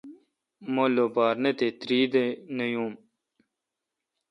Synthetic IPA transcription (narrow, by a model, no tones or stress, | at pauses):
molːobaːɾnet̪et̪ɾiːd̪enɐjũːm